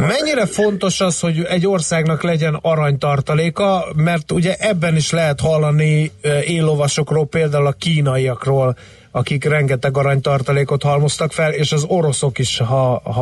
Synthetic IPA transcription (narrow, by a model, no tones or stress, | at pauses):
mɛɲːiɾɛfo̞nt̪o̞ʃɒsho̞ɟɛɟːo̞rsaːɡnɒklɛɟɛnɒɾɒɲt̪ɒrt̪ɒleːkɒmɛrt̪uɟɛʔɛbːɛniʃlɛɦɛt̪hɒlːɒnieːlːo̞vɒʃo̞kroːlpeːld̪aːulɒkiːn̪ɒjijɒkroːl | ɒkikrɛŋɡɛt̪ɛɡɒɾɒɲt̪ɒrt̪ɒleːko̞t̪hɒlmo̞st̪ɒkfɛleːʃɒzo̞ɾo̞so̞kiʃɦɒ